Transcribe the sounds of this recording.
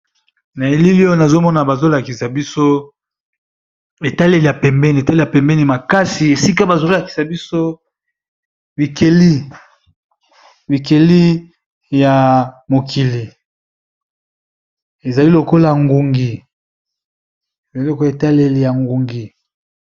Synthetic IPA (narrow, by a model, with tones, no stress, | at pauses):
na˨e˨li˦li˦o˦na˨zo˦mɔ˦na˨ba˨zo˦la˨ki˨sa˨bi˦so˦ | e˨ta˦le˦li˨ja˨pɛ˨mbɛ˦n˨ta˦˨a˨pɛ˨mbɛ˦ni˨ma˨ka˦si˨e˨si˦ka˦ba˨zo˦la˨ki̥˨sa˨bi˦so˦ | bi˨ke˨li˦ | bi˨ke˨li˦ | ja˨mo˨ki˨li˨ | e˨za˨li˦lo˨ko˦la˨ŋɡu˨ŋɡi˨ | e˨za˨li˦lo˨ke˨ta˦le˦li˨ja˨ŋɡu˨ŋɡi˨